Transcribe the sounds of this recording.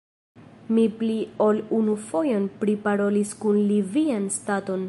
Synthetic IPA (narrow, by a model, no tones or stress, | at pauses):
mipliolunufo̞jo̞npɾipaɾo̞liskunlivianstato̞n